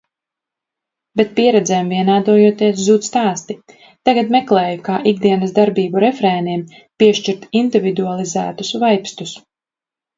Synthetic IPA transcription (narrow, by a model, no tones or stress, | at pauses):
bɛt̪̚piɛɾɛd̪zɛːmviɛnaːd̪uɔjuɔt̪iɛszuːt̪st̪aːst̪i | t̪aɡat̪mɛklˠɛːjukaːʔiɡd̪iɛnɐsd̪aɾbiːbuɾɛfɾɛːniɛm | piɛʃt͡ʃiɾt̪ind̪ivid̪ualˠizæ̰ːt̪usvajpst̪us